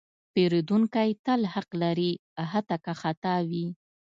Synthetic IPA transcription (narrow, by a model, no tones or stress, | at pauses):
peɾed̪uŋkajt̪alhaqlaɾiaɦat̪akaxat̪ɑwi